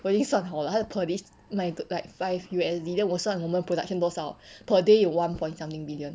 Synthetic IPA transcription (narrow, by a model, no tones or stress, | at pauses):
wəlĩŋsɔ̃nɦaʊlhapʰədis | mãɪɡlaɪk̚faɪvjuɛsdidə̃nwɔsɔ̃nwomə̃npʰɹoda̰k̚ʃə̃ndɔsapʰədejuwãnpʰɔ̃j̃ntsãmt̪ĩŋbiliə̃n